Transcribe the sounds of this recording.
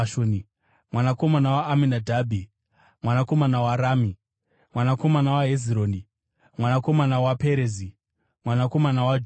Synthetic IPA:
ʃoni | mwanako̞manawaːminadʱabʱi | mwanako̞manawaɾami | mwanako̞manawaɦeziɾoːni | mwanako̞manawapeɾezi | mwanako̞manawad͡ʒ

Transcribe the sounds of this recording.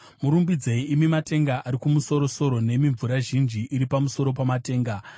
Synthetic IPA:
muɾumbid͡zeiimimate̞ŋɡaʔaɾikumuso̞ɾo̞so̞ɾo̞ne̞miɱvuɾaʒind͡ʒiʔiɾipamuso̞ɾo̞p̬amate̞ːŋɡa

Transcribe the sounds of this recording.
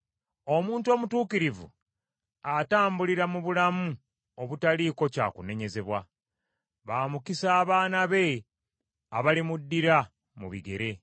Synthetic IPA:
o̞muːnto̞ːmutuːkiɾivṵ | ataːmbuliɾamuβulamu | o̞βutaliko̞ca̰ːkune̞ɲe̞ze̞βwa | βaːmukisaːβaːnaβe̞ | aβalimudːiɾa | mṵβḭɡe̞̰ɾe̞

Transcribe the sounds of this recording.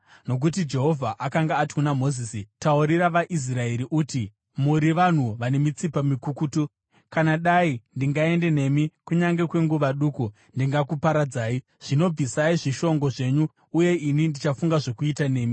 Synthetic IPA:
no̞k̬ut̬id͡ʒe̞ɦo̞vʱaʔakaŋɡaːtkunamo̞zisitauɾiɾaʋaʔis̬rae̞ɾiʔuti | muɾiʋan̤uʋane̞mit͡sipamikukutu | kanaɗaindiŋɡae̞nde̞ne̞mikuɲaŋɡe̞kwe̞ŋɡuʋaɗuːku | ndiŋɡakupaɾad͡zaːi | ʐ̥ino̞b͡visaiʐiʃo̞ŋɡo̞ʐe̞ɲuː | je̞inindit͡ʃafuŋɡaʐo̞kuitane̞ːmi

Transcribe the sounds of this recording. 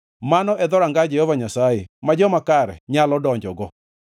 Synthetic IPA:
manɔʔɛd̪ɔɾaŋɡad͡ʒɛhɔvaɲasajemad͡ʒɔmakaɾɛ̰ɲalɔdɔɲd͡ʒɔɡɔ

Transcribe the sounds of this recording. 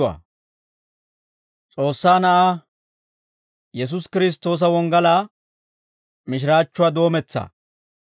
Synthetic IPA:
ɐ̰ː | t͡sʼo̞ːsːaːnɐʔaː | jɛs̬ʊskɪɾɪs̬t̪ːo̞ːs̬ɐwɔŋɡɐlaː | mɪʃ̬ɪɾaːt͡ʃːʊwaːd̪o̞ːmɛt͡sːɐ̰

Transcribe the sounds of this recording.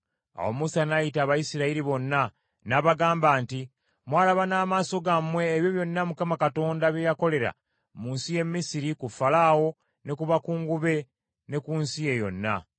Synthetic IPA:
a̰wo̞̰musanajitaːβajisiɾaiɾiβo̞nːa | naβaɡaːmbaːnti | mwaːlaβanaːmaːso̞ɡamwe̞ːβjo̞βjo̞nːamukamakato̞ːndaβjejako̞le̞ɾa̰ | muːnsije̞mːisiɾikufalaːwo̞ | ne̞kuβakuːŋɡuβe̞ | ne̞kuːnsije̞jo̞̰nːa̰

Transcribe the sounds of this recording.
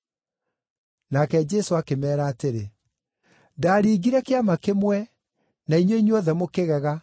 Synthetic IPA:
nakɛd͡ʒɛsoakemɛːɾaːteɾe | ndaːɾiːɡiɾɛkeamakemwɛ | naiɲweiɲwɔðɛmokeɣɛɣa

